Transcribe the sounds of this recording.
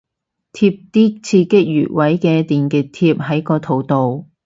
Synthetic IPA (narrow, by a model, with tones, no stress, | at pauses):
t̪ʰiː˧p̚t̪iː˥k̚t͡sʰiː˧kɪ˥k̚jy̰ː˨˩t̚wɐ˨˥jkɛː˧t̪iː˨nkɪ˨k̚t̪ʰiː˧p̚ɦɐ˨˥jkɔː˧t̪ʰo˨˩wt̪o˨w